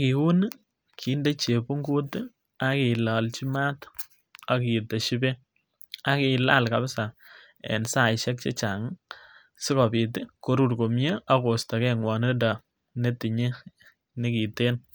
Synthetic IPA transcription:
ki˨u˦n˦ | kʰi˦nde˦t͡ʃe˨pu˦ŋɡu˦t | a˦ki˨la˨lt͡ʃi˦ma˦t | a˦ki˨te˨ʃi˦be˦ | a˦ki˨la̰˦lka˨bɪ˦sa˨ | ɛ̰˨nsa˦˨ʃɛ˦k̚t͡ʃe˦t͡ʃa˨ŋ | sɪ˦kɔ˨pi˨ti˦ko˦ɾu˦rko˨mje˦a˦ko˨sta˨kɛ˦ŋwɔ˨ne˦da˨ | ne˦ti˨ɲe˦ | nɪ˦ki˨te˦n

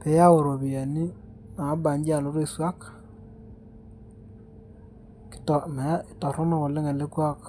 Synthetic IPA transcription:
pe˨ja˦o˨ɾo˨βi˨a˨ni˦na˨˦ba˨ɲd͡ʒi˦a˨lo˦ɾe˦˨swa˦k | ktɔ˨ma˨˦˨tɔ˨ɾɔ˦nɔ˨ko˨le˦ŋa˨le˦kwa˦k

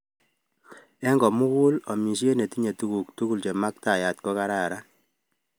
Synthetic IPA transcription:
ɛ˦ŋɡɔ˨mu˦ku˦lɔ˨mi˨sje˦ne˨ti˦ɲe˨tu˦ku˨k̚tu˦ku˦lt͡ʃe˨ma˦k̚ta˨ja˨t̚kɔ˦ka˦ɾa˨ɾa˦n

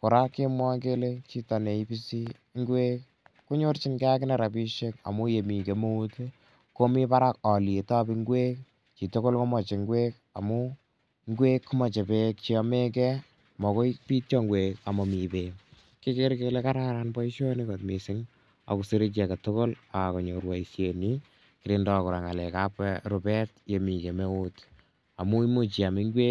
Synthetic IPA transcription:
kʊ˨ɾa˦kɪ˦mwɔ˦ke˦le˦t͡ʃi˦ta˨ne˨i˦bi˦si˦ | ŋɡwe˦k | ku˦ɲo˦ɾt͡ʃi˦nkːk̬ɪ˦na˨ɾa˨pi˦ʃe˦ka̰˨mu˦je˨mi˨ke˨mo˦u˦te | ko˦mi˦pa˦ɾa˦kɔ˨le˨ta˦bi˧ŋɡwe˦k | t͡ʃi˨to˦ko˦lko˦mɔ˨t͡ʃe˨ŋɡwe˦k | a̰˨mʊ˦ | ŋɡwe˦kːu˦mɔ˨t͡ʃe˨pe˦k̚t͡ʃi˨ɔ˨me˦kɛ˦ | mɔ˨ko˦ipi˦tjɔ˦ŋɡweka˨mɔ˨mi˨pe | ki˦ke˦ɾkele˦ka˦ɾaɾanbɔ˦iʃo˦ni˦kotmisɪ˦ŋ | a̰˨kuseɾet͡ʃ̬akatoko˦laa˨kɔ˨ɲo˨ɾwa˨isjeni | kiɾindɔkʊɾa˨ŋalɛ˨kapɛɾopɛtje˨mi˨ke˨me˦u˦t | a˨mu˦i˦mo˨t͡ʃi˨a˨mi˦ŋɡwe˦k

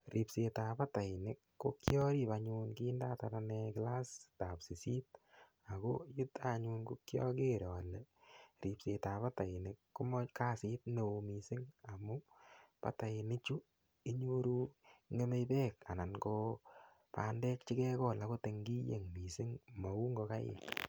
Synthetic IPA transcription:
ri˨pse˨ta˨pa˦ta˨ɪnɪ˨kːo˦kjɔ˦ɾi˦paɲu˧nki˦nda˦ta˨nanɛ˧kɪla˦sta˨psi˨si˦t̚ | a˨ko˦ju˦ta˦ɲu˧nku˦kjɔ̰˦ke˦ɾɔ˨lɛ˨ɾi˨pse˨ta˨pa˦ta˨ɪ˨nɪ˨kːu˦mɔ˦ka˦si˦t̚ne˨o˧mi˨sɪ˦ŋa˨mu˦pa̰˨ta˨ɪ˨nɪ˦t͡ʃu˦ | i˦ɲo˦ɾu˦ŋe˦me˦jpɛ˦ka̰˨na˨nko | pa̰˦ndɛ˦k̚t͡ʃi˦kɛ˦kɔ˦la˨ko˦te˨ŋɡi˦jḛ˨ŋmi˨sɪ˦ŋmɔ˨u˦ŋɡo˧ka˦jɪ̰˨

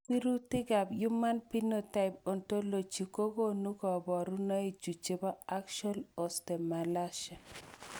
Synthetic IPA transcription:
pi˦ɾu˦tɪ˦ɡa˨bju˦ma˦npi˦no˦˨ta˦ɪ˨po˨nto˦lo˨t͡ʃi˨ko˦ɡo˦nu˦kɔ˨bɔ˨ɾu˦na˦i˨d͡ʒu˨t͡ʃe˦ba˦a˦kʃɔ˦lo˨ste˨ma˨la˦ʃa˨

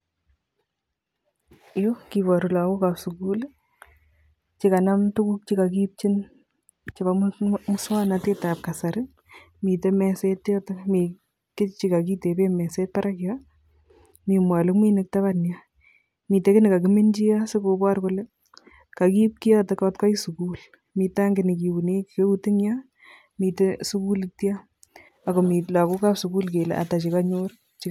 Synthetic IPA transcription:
jo˦ki˨βɔ˨ɾu˨la˨wo˦ka˨psu˨ku˦l | t͡ʃika˨na˦mtu˦ku˦k̚t͡ʃi˦ka˨ki˦p̚t͡ʃɪ˦n | t͡ʃɪ˨ba˨mmʊswa˦nate˦ta˨p̚kasaɾɪ | miː˨tɛ˦mɛ˨se˦tːɔtɐkmi˨ | kɪ˦t͡ʃika˨ki˦te˨be˦mɛ˨se˦t̚pa˦ɾʔakja | mi˨mwa˨lʊ˦kmi˦nɪk̚ta˦banja | miː˨te˦kɪ˦nɪ˨ka˨kɪ˦mɪ˦nd͡ʒi˦a˦se˦ko˨bwa˦rko˦le˦ | ka˨ki˦p̚ki˦ja˦tɔ˦kɔtka˦jsu˨kuː˦l | miː˨ta˦ŋɡɪ˨nɪ˨ki˨u˨ne˦kke˦u˦ti˦ŋja | miː˨te˦su˦ku˦lɪtja˦ | a˨ko˨mi˨la˨ko˦ka˦psukuː˦lke˨lḛ˨ʔa̰ta˨t͡ʃi˨ka˦ɲor | t͡ʃi˦

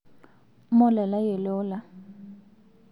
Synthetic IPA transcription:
mɔ˦lɛ˨la˦jɛ˨lɔː˦la˨

